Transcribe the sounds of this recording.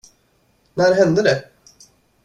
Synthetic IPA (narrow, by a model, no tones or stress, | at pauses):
næɾɦɛnd̪əd̪ɛ